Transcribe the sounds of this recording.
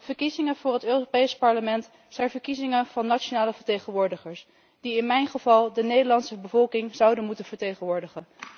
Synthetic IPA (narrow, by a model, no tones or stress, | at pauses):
v̥əɹkizɪŋəvʊːrɦətøːropejspɑɹləmɛnt | z̥ɛjnvəɹkizɪŋənv̥ɑnːat͡ʃonaːləvəɹtejχənʋʊːɹdəχəɹs | d̥iɪnmɛjnχəvɑlˠdənejdəɹlɑntsəbəvɔlˠkɪŋzɑwdənmutənvəɹtejχənʋʊːɹdəχən